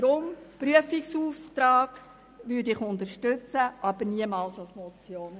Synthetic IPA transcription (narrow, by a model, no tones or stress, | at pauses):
ɾʊmpɾyəfiksuːft̪ɾɑːɡ̥ | ʋʏːɾdɪχʊndəɾʃtøt͡səʔɑb̥əɾniəmɑːlsɑlsmɔt͡sjoːn